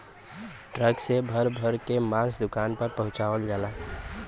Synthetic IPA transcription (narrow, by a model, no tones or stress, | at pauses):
ʈɾəɡsebʱəɾbʱəɾkemasd̪ukanpəɾpəɦũt͡ʃabəld͡ʒala